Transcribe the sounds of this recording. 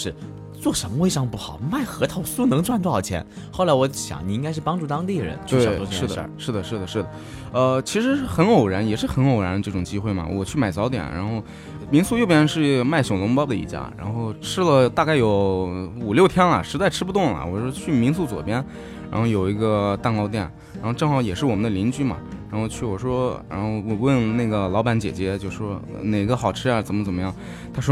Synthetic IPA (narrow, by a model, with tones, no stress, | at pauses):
ʂɻ̩˥˩ | t͡swɔ˥˩ʂə˧˥mə˧we˥˧ɪɑ˥˧ŋpu˥˩xɑ˨˩˦ʊma˥˩ɪxɤ˧˥t̪ʰɑ˨˩ʊsu˥˩nɤ˧˥ŋt͡swa˥˧nʈ͡ʂu˥˩ɑ˨˩t͡ɕʰjɛ̰˧˥n | xo˥˩la˧˥ɪwɔ˧˥ɕjɑ̰˨˧˦ŋni˨˩i˥ŋka˥ɪʂɻ̩˥˩pɑ˥ŋʈ͡ʂu˥˩t̪ɑ˥ŋt̪i˥˩ɻə̰˧˥nt͡ɕʰe˩˧˨ɔ˥ʂɻ̩˥˩d̪̰ʂɻ̩˥˩d̪ə˩ʂɻ̩˥˩d̪ə˩ʂɻ̩˥˩d̪ə˩ | ə˧t͡ɕʰi˧˥ʂɻ̩˧˥xə˧˥no˨˩ʊɻə˧˥njɛ˨˩ʂɻ̩˥˩xə˧˥no˨˩ʊɻə˧˥nd̪ə˧ʈ͡ʂɤ˥˩ʈ͡ʂʊ˨˩ŋt͡ɕi˥xwe˥˩ɪmɐ̰˩˧˥wɔ˨˩t͡ɕʰy˥˩ma˨˩ɪt͡sɑ˧˥ʊt̪jɛ̰˨˩nɻa̰˧˥nxo˥˩ʊ | mi˧˥ŋsu˥˧jo˥˩ʊpjɛ˥nʂɻ̩˥˩ma˥˩ɪɕjo˨˩nʊ˧˥ŋpɑ˥ʊd̪ə˨˧ḭ˧˩t͡ɕja̰˥˩ɻa̰˧˥nxo˥˧ʊʈ͡ʂʰɻ̩˥lə˨t̪a˥˧ka˥˩ɪjo˧˥ʊu˨˩ljo˥˩ʊt̪ʰjɛ˥nlɐ̰˨ʂɻ̩˧˥t͡sa˥˧ɪʈ͡ʂ̩ʰ˥pu˧t̪̬ʊ˥˩ŋlɐ̰˨˩wɔ˨˩ʂwɔ˥t͡ɕʰy˥˩mi˧˥nsu˥˩t͡swɔ̰˨˩pjɛ˥n | ɻa̰˧˥nxo˥˩ʊjo˨˩ʊi˧˥ɡə˧t̪a˥˧nkɑ˥ʊt̪̬jɛ˥˩n | ɻa˧˥nxo˥˧ʊʈ͡ʂɤ˥˩ŋxɑ˥ʊjɛ˨˩ʂɻ̩˥˩wɔ˨˩mə˦nd̪ə˧li˧˥nt͡ɕy˥mɐ̰˨˩ | ɻa˧˥nxo˥˧ʊt͡ɕʰy˥˩wɔ˨˩ʂwɔ˥ɻa̰˧˥nxo˥˧ʊwwə˥˧nna˥˩ɡə˩lɑ˧˥ʊpa˧˥nt͡ɕjɛ̰˨˩t͡ɕjɛ˧˥t͡ɕjo˥˧ʂʂwɔ˥ | ne˨˩ɪ˥ɡə˧xɑ˨˩ʊʈ͡ʂʰɻ̩˥a˥˧˩t͡sə˨˩nmə˦t͡sə˨˩mə˦jɑ˥˩ŋ | t̪ʰa˥ʂwɔ˥